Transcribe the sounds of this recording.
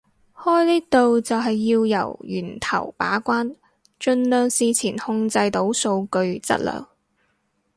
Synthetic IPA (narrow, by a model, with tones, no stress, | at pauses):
hɔː˥jniː˥t̪o˨wt͡sɐ˨wɦɐ˨jːiː˧wjɐ̰˨˩wjy̰ː˨˩nt̪ʰɐ̰˨˩wpa̰ː˨˥kʷaː˥n | t͡ʃɵ˧nlœː˨ŋsiː˧t͡sʰiː˨˩nhʊ˧ŋt͡sɐ˧jt̪o˨˥wso˧wkɵ˧ɥt͡sɐ̰˥t̚lœ̰ː˨˩ŋ